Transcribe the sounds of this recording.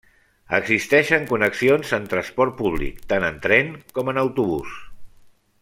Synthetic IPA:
ə̰ɡzist̪ɛʃəŋkunəksionzənt̪ɾənspɔrt̪̚puβlḭkt̪anənt̪ɾɛŋkɔmənəwt̪uβ̞us

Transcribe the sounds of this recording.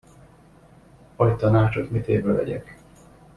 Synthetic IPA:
ɒjt̪ɒnaːt͡ʃot̪mit̪eːvøvɛ̰ɟɛ̰k

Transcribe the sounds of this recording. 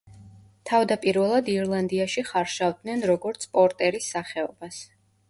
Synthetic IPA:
t̪ʰavd̪apʼiɾvɛlˠad̪iɾlˠand̪iaʃiχaɾʃavd̪nɛnɾɔɡɔɾt̪sʰpʼɔɾt̪ʼɛɾisːaχɛɔbas

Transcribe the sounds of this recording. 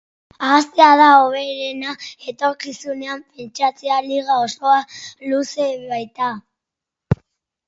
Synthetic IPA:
aːst̪eað̞aoβ̞e̞ɾenae̞t̪o̞ɾkisune̞ampe̞nt͡ʃat͡sealiɣao̞so̞aluse̞βajt̪a

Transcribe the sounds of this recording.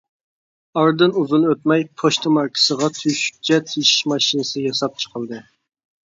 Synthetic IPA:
ɑɾd̪ɨnuzunøt̪mɛjpʰoʃt̪ʰɨmɑɾkʲʰɪ̥səʁɑt̪ʰyʃy̥p̚t͡ʃʰɛt̪ʰiʃi̥ʃmɑʃinɨsɨjɑsɑp̚t͡ʃʰə̥qʰəlˠd̪ɨ

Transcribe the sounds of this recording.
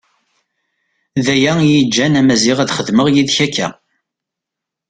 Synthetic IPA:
ðæjæjid͡ʒːænæmæziʁæðχəðməʁjiðçækːæ̰

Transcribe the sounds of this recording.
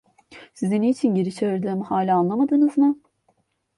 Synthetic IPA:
sizinit͡ʃʰinɟeɾit͡ʃʰeɾd̪lʲemihaːlʲaanlˠamad̪ɯnɯzmɯ

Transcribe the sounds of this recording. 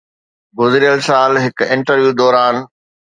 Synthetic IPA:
ɡʊzɾijəlsaːlɦɪkɪ̃ɳʈəɾʋjuːd̪ɔːɾaːn

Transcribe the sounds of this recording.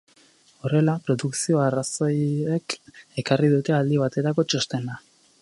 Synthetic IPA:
o̞re̞lapɾo̞ðuksio̞arasojeke̞kariðut̪e̞ald̪iβ̞at̪e̞t̪ako̞t͡ʃo̞st̪e̞na

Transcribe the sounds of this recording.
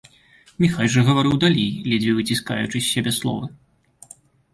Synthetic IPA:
mʲixalʲʐɐɣɐvaɾɨwd̪alʲejlʲid͡zʲvʲivɨt͡sʲiska̰jut͡ʂɨsʲːabʲɛslˠɔ̰vɐ

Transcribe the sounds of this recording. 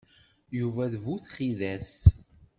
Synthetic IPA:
juvæðvuθχiðæs

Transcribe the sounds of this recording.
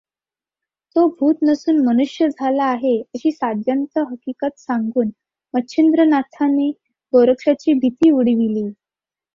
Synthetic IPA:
t̪obʱuːt̪nəsuːnmənuʂjəd͡zʱalaːɦeəɕiːsad̪jant͡s̪əɦəkikat̪saŋɡuːn | mətːɕʰind̪ɾənat̪ʰane | ɡoɾəkʂat͡ɕiːbʱit̪iːuɽ̤ʋiliː

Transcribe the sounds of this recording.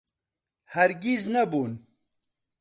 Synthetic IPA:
hɐɾɡiznɐbuːn

